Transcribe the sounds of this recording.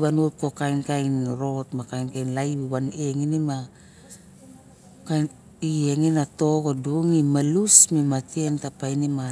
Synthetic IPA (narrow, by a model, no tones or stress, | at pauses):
βanut̚ko̞kajnkajnɾo̞tmakajnkajnlajbiβaneŋinima | kajn | ieŋinato̞ɡoduŋimalusmimatientapajnima